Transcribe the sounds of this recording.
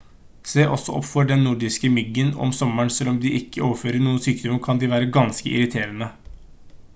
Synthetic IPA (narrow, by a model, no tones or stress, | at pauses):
seːʔɔsːɔʔɔ̰pːfɔɖɛnːʊɖɪskəmʏɡːənɔ̰msɔmːəɳsɛlɔmd̪ɪʔɪkːəoːʋəɾføːɾəɳuːənsyːkd̪ɔməkʰɑnd̪ɪʋæːɾəɡɑnskə̰ʔɪ̰ɾɪt̪ʰeːɾənə